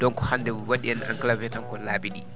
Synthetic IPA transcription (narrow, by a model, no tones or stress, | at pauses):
d̥ɔnkɔ̥handɛuwaɗiana̰ŋklavɛtaŋkɔlaːbiɗi